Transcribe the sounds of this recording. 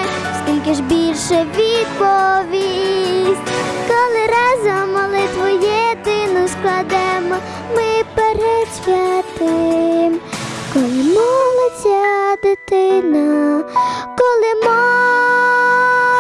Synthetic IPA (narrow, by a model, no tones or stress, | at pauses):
skimʲkɪʒbʲilʃɛʋʲid̪pɔʋʲisʲtʲkɔlˠɪɾɑzɐmɔlˠɪt̪ʋʊjɛd̪ɪnʊsklˠɐd̪ɛmɔ | mɪpɛɾɛt̪sʲʋʲɛt̪ɪmkɔlˠɪmɔlˠɪt͡sʲɐd̪ɪt̪ɪnɐ | kɔlˠɪmɔ